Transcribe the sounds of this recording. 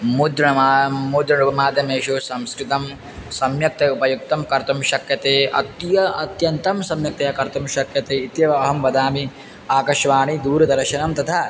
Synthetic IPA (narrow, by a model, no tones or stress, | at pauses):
mud̪ɾɐamud̪ɾɐɳupɐmaːd̪jɐmeːʂusɐmskɾit̪ɐm | sɐmjɐk̚t̪eupɐjuk̚t̪ɐmkɐɾt̪ɐmʃɐkjɐt̪eːʔɐ̰t̪jɐɐt̪jɐnt̪ɐmsɐmjɐk̚t̪ɐjɐkɐɾt̪ɐmʃɐkjɐt̪eːit̪jɐʋɐɐɦɐmʋɐd̪aːmi | aːkɐʃʋaːɳid̪uːɾɐd̪ɐɾɐʃɐnɐmt̪ɐt̪ʰa